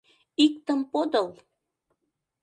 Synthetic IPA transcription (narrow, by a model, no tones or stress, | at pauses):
ikt̪əmpod̪əl